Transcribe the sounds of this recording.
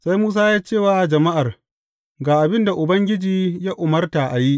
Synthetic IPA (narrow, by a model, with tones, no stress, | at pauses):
sa˦jmuː˦s̬aː˦jaː˦t͡ʃeː˦˨waː˦d͡ʒɐ˨ma˦ʔa˨r | ɡaː˨ʔa˨bɪ˦nda˨ʔʊ˨bɐ˦ŋɡʲɪ˦d͡ʒiː˨jaː˦ʔʊ˨mɐ˦rta˨ʔa˨ji˦ʔ